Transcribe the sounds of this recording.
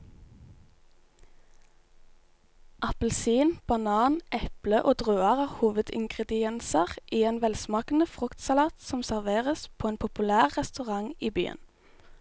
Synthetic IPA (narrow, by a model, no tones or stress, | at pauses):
ʔɑpəlsiːnb̥ɑnɑːnʔɛpləʔoːd̪ʁøːɑʁɑːʋhuːʋəd̪ɪ̰ŋɡʁɛd̪ɪɛnsəʁʔiːeːnʋɛlsmɑːkn̩əfʁʊkt̪sɑlɑːt̪sɔmsæʁʋeːʁəspʰoːeːnpʰʊpʉlæːʁʁɛst̪ʉʁɑŋiːby̰ːə̰n